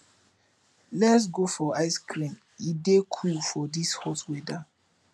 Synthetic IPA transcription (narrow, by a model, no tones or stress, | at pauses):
lɛtsɡofɔaɪskɾĩm | idekʰufɔdishɔtwɛda